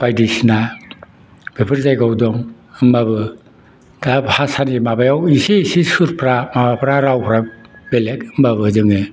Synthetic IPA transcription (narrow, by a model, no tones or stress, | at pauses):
b̥ajdisna | bipʰɯɾzajɡawdɔŋ | mabɯ | dahasanimabajawisisisuɾpʰɾamabapʰɾaɾawpʰɾak̚belekmaβɯzɯŋɯ